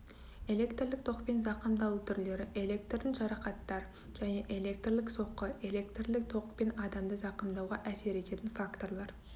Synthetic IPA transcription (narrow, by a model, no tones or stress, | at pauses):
e̞lʲe̞kt̪rlɪk̚t̪ʰo̞qpe̞nzɑqəmd̪ɑlˠut̪ʰʏɾle̞ɾɪʔe̞lʲe̞k̚t̪rd̪ɪnʒɑɾɑqɑt̪ːɑɾ | ʒ̥æne̞ʔe̞le̞k̚t̪rlɪkso̞qəe̞lʲe̞k̚t̪rlɪk̚t̪ʰo̞qpe̞nɑd̪ɑmd̪əzɑqəmd̪ɑwʁɑʔæse̞ɾe̞t̪e̞t̪ɪnfakt̪o̞ɾlˠɑɾ